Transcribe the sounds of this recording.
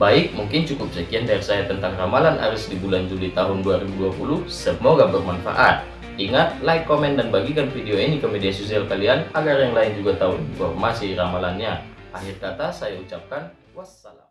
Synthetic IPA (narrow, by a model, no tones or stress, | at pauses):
baɪk̚muŋkɪnt͡ʃukʊp̚səkiandaɛrsajat̪ənt̪aŋramalana̰ɾʊsdibuland͡ʒulit̪aɦʊnduaɾibuduapuluhsəmoɡabərmanfa̰ʔat̪̚ | iŋat̪̚lajkːomɛndanbaɡikanfideoinikəmediasosialkalianaɡarjaŋlaind͡ʒuɡat̪auinfɔrmasiramalanɲaaɦirkat̪asajaut͡ʃap̚kan | wasala̰m